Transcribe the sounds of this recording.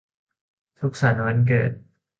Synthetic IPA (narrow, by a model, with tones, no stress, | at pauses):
t̪ʰu˦˥k̚sa˩˦nwa˧˥nk̬ɤ̰ː˨˩t̪̚